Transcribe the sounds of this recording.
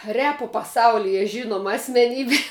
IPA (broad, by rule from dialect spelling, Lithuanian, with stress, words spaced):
ˈrʲæːpoː pɐˈsɐʊlʲɪjɛ ˈʒʲɪnoːmɐ ɐsʲmʲɛˈnʲiːbʲeː